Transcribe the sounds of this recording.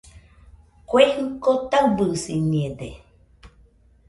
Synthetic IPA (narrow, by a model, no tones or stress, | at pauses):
kwehŋ̩kot̪awbɨsinied̪e